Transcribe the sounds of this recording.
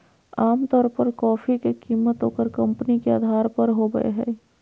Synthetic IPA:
aːmt̪ɔːɾpəɾkɔːfikekiːmːət̪ɦoːkəɾkɐ̃mpnikea̰ːd̪ʱaːɾpəɾɦoɡə̰ḛɦɛ̰ː

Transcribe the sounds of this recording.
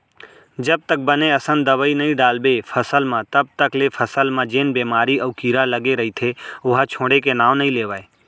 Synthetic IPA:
d͡ʒəb̚t̪ək̚bəneəsənd̪əʋəinɐɦĩɖaːlbefʰəsəlmãt̪əb̚t̪əklefʰəsəlmãd͡ʒeːnbeːmaːɾiɐːkiːɾaləɡeɾɐɦit̪ʰeʊɦat͡ʃʰõːɽekenaːʋnəɦĩleːʋaːeː

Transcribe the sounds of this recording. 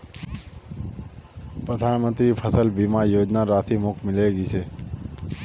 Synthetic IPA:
pɾəd̪ʱanmə̃nt̪ɾipʰəsəlbimãjod͡ʒnaɾat̪ʰimokmɪleɡisʰe

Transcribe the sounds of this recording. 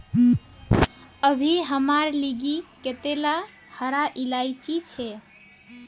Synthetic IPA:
əbʱiɦəmaɾliɡiket̪ela | həɾaʔilait͡ʃit͡ʃʰɛ

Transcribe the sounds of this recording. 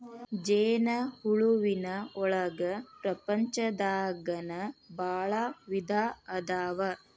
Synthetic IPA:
d͡ʒeːnɐhuɭuʋinɐɔɭɐɡɐpɾɐpɐɲt͡ʃɐd̪aːɡɐnɐbaːɭaʋid̪ʱaːɐd̪aːʋɐ

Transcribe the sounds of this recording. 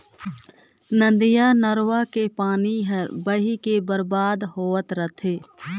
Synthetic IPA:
nə̃nd̪ɪjanəɾwakepaːniɦəɾbəɦikebəɾbaːd̪ɦoːət̪ɾət̪ʰeː

